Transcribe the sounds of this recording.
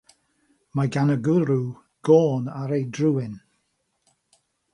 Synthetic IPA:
maɡanəɡʊɾu | ɡ̥oːnaɾejdrʊwɪn

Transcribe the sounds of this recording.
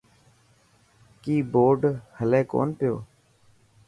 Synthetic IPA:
kiːboːɖhəlẽːko̰ːnpɪjo̰ː

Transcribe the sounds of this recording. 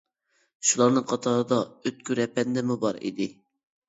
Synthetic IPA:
ʃulˠɑɾnɨŋqʰɑt̪ʰɑɾɨd̪ɑøt̪̚kʲyɾɛpɛnd̪ɛmubɑɾḭd̪ɪ

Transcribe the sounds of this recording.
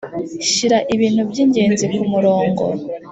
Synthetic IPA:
ʃiɾaʔiβiːn̥hubɟiːɲɟe̞ːnzikumuɾo̞ːŋɡo̞̰

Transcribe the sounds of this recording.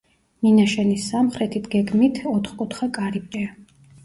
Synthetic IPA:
ninaʃɛnisːamχɾɛt̪ʰit̪ɡɛɡmit̪ʰɔt̪ʰχkʼut̪ʰχakʼaɾipʼɛa

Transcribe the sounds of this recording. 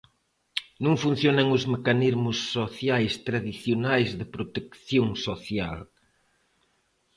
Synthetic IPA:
nũŋfũn̟θjonɐŋʊzmekanizmʊsːoθjajst̪ɾaðiθjonajzðɪpɾot̪ekθjõŋsoθja̰l

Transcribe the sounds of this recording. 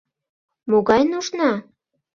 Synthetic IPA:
moɣɑjnuʃnɑ

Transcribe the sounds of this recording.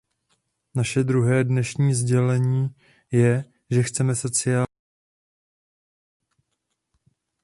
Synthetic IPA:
naʃɛd̪ɾuɦɛːdnɛʃɲiːzɟɛlɛɲiː | jɛ | ʒɛxt͡sɛmɛso̞t͡sɪa

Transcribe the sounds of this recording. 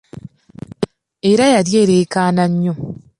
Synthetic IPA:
eɾajadjeɾekaːnaɲːo

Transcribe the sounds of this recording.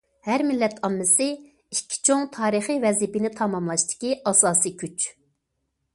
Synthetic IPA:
hæɾmilːɛt̪ʰɑmːɨsɪ | ikʲʰːi̥t͡ʃʰoŋt̪ʰɑːɾɨχivɛzipɪnɪt̪ʰɑmɑmlˠɑʃt̪ɪ̥kʲiʔɑsɑːsikʲʰyt͡ʃ

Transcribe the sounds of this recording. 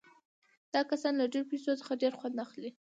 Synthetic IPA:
d̪̥ɑkasɑnlaɖeɾopesosə̥xaɖeɾxwand̪axli

